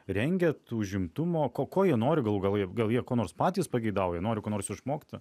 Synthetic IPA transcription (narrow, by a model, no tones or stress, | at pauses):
ɾʲɛŋʲɡʲɛt̪uːʊʒʲɪmt̪ʊmoːkoːkoːjiɛnoːɾʲɪɡɐlˠuɡɐlˠjiɛɡɐlˠjiɛkoːnoːrspɑːt̪ʲiːspɐɡʲɛɪd̪ɑːwojiɛnoːɾʲɪkoːnoːrsɪʃmoːkt̪ʲɪ